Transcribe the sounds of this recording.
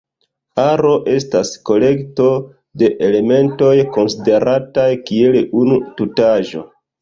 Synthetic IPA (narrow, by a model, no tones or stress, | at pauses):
aɾo̞ʔe̞stasko̞le̞kto̞ | de̞ʔele̞me̞nto̞jko̞nside̞ɾatajkie̞lunututaʒo̞̰